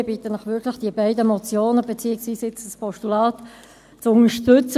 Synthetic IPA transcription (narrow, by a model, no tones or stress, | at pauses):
bitənlɪχvɪklɪxd̥iəbaɪdəmɔt͡sjoːnəbet͡siːəɡsviːsɪt͡sd̥əspʰɔʃtulaːt | t͡sʊŋəʃtʏt͡s